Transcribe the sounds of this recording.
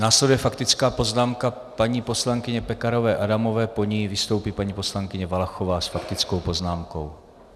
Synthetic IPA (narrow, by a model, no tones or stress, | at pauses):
naːslɛdujɛfakt̪ɪt͡skaːpo̞znaːmka | paɲiːpo̞slaŋkɪɲɛpɛkaɾo̞vɛːʔadamo̞vɛːpo̞ɲijvɪst̪o̞wpiːpaɲiːpo̞slaŋkɪɲɛvalaxovaːsfakt̪ɪt͡sko̞wpo̞znaːmko̞̰w